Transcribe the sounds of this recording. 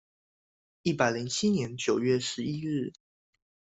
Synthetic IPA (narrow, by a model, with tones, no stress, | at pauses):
i˥˩pa˨˩ɪli˧˥ŋt͡ɕʰi˥njɛ˧˦nt͡ɕjo˨˩ʊɥɛ˥˩ʂɻ̩˧˥i˦ɻ̩˥˩